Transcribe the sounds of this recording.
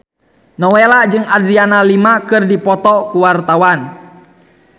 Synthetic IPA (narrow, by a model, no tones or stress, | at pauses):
nɔwɛlad͡ʒɨŋadɾianalimakɨrdipɔt̪ɔkuwart̪awan